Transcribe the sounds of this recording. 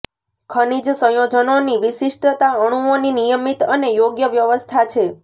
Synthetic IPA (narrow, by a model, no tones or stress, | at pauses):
kʰənid͡ʒsə̃jod͡ʒənoniʋiʃiʂʈət̪aəɽ̃uoninijəmit̪ənejoɡjəʋjəʋəst̪ʰat͡ʃʰe